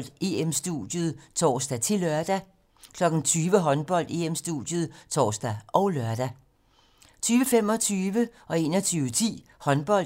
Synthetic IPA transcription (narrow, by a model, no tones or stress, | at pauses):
l̰d̥e̝emsd̥ṵd̥jəð̞ˠt͡sʰɒ̰ːsd̥æt͡sʰe̝lɶɐd̥æ | kʰlɒ̽ɡ̥n̩t͡sʰyːʋəɦɒ̽nb̥ɒ̽l̰d̥e̝̰ːemsd̥ṵd̥jəð̞̩ˠt͡sʰɒ̰ːsd̥æʔɒ̽ʊlɶɐd̥æ | t͡sʰyːʋəfem̰ɒ̽t͡sʰyːʋəʔɒ̽e̝̰ːnɒt͡sʰyːʊət͡sʰḭː | hɒ̽nb̥ɒ̽l̰